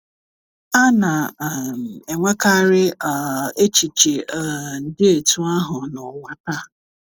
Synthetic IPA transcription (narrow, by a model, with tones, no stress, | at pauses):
a˦na˨m˨e˨ŋʷa˦ka˦ɾɪ˦˨ | e˦t͡ʃi˨t͡ʃi˨n̩˨dɪ˦e˨tu˦a˦ɦʊ˨nɔ˨wa˦ta˦